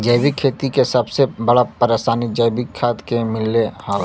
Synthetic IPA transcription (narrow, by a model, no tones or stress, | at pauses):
d͡ʒəjbɪkʰːeːt̪ikesɐbsebɐɽapəɾesaːnid͡ʒəjbɪkʰːaːt̪kemɪlːehaːl